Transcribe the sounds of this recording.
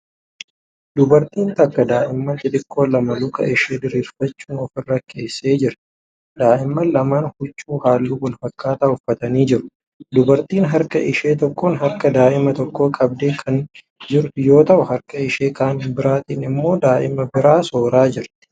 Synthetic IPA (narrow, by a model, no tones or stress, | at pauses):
d̪ʊbɐɾt̪iːnt̪ɐkːɐd̪aːʔɪmːɐnt͡ʃ̪ʼɪd̪ɪkʰːo̞ːlɐmɐlʊkɐ̰ʔɪʃeːd̪ɪɾiːɾfɐt͡ʃːuːnɔfɪrːɐkʰːe̞ːsːe̞ːd͡ʒɪɾ | d̪aːʔɪmːɐlɐmaːnhʊt͡ʃʼːuːhaːlːuːwɐlfɐkːaːt̪aːhʊfɐt̪ɐniːd͡ʒɪɾʊ̥ | d̪ʊbɐɾt̪iːnɦɐɾkɐʔɪʃe̞ːt̪ɔkːoːnɦɐɾkɐd̪aːʔɪmɐt̪ɔkːo̞ːkʼɐb̚d̪eːkʰɐn | d͡ʒɪɾt̪ʊjo̞ːt̪ɐʔʊhɐɾkɐɪʃe̞ːkaːnɪnbɪɾaːt̪iːnɪmːo̞ːd̪aːʔɪmɐbɪɾaːso̞ːɾaːd͡ʒɪɾt̪ɪ̥